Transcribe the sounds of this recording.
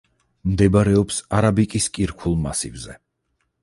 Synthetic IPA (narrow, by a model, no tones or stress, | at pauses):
md̪ɛbaɾɛɔpsaɾabikʼiskʼiɾkʰulˠma̰sḭvzɛ